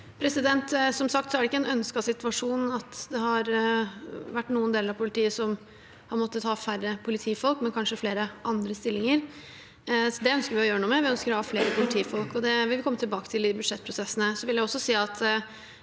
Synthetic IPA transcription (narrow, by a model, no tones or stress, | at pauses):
pʰɾɛsɪd̪ɛnt̪sɔmsɑkt̪sɔæɖɛɪkːəɛnœnskɑsɪt̪ʋɑʂuːnn̩ɑt̪d̪ɛhɑɾ | ʋæʈːnuːənd̪eːləɾɑʋpʰʊlɪt̪ʰiːəsɔm | hɑɾmɔt̪ːət̪hɑːfærːəpʰʊlɪt̪ʰiːfɔlkmɛnkʰɑnʂəfleːɾəʔɑnd̪ɾəst̪ɪlːɪŋəɾ | d̪ɛœnskəɾʋɪɔjøːɾənuːmɛʋɪœnskəɾɔhɑfleːɾəpʰʊlɪt̪ʰiːfɔlkɔd̪ɛʋɪlʋɪkʰɔmːət̪ɪlbɑːkə̥t̪ʰɪlɪbʉd̪ʂɛt̪̚ːpʰɾʊsɛsːənəsɔʋɪljæɪɔsːɔsiːɑt̪